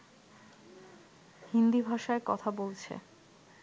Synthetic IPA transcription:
hind̪ibʱaʃaekɔt̪ʰabolt͡ɕʰḛ

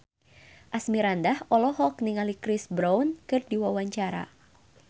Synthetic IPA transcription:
ʔasmiɾandahɔlɔɦɔkniŋalikɾisbɾankɨrdiwawaɲt͡ʃaɾa̰

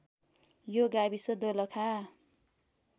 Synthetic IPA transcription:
joɡabisʌd̪olʌkʰa

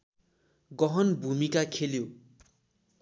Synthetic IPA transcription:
ɡʌɦʌnbʱumikakʰeljo

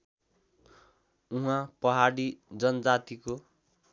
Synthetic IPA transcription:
uɦãpʌɦaɽid͡zʌnʌd͡zat̪iko

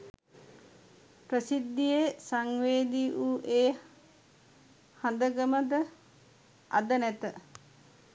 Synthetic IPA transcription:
pɾəsid̪ːijesaŋʋeːd̪iʔuʔeː | hand̪əɡəməd̪ə | a̰d̪ənɛt̪ə

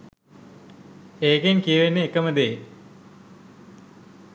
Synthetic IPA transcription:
eːkenkijʋenːeːkːɐmɐd̪eː

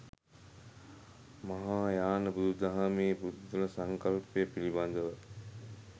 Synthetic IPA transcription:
mɐɦaːjaːnɐbud̪ud̪ɐɦamiːbud̪ːulɐsɐŋkɐlpəjəpiliband̪əʋə

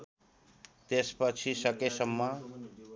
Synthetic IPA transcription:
t̪espʌt͡sʰisʌkesʌmːʌ

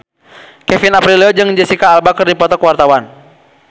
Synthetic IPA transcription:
kɛfinapɾiliɔd͡ʒɨŋd͡ʒɛsikaːlbakɨrdipɔt̪ɔkwart̪awan

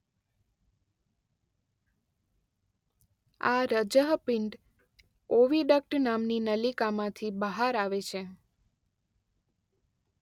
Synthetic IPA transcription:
aɾəd͡ʒəɦpɪɳɖ | oʋiɖək̚ʈnamninəlikamãt̪ʰibəɦaɾaʋet͡ʃʰe

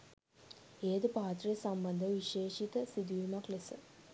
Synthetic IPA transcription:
eːd̪əpaːt̪rijəsambɐnd̪əʋiʃeːʃit̪əsid̪ujumaklesə

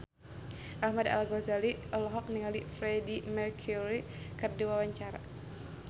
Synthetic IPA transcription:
ʔahmada̰lɡɔzalilɔɦɔk̚niŋalifɾɛdimɛrkʰuɾikərdiwawaɲt͡ʃaɾa̰

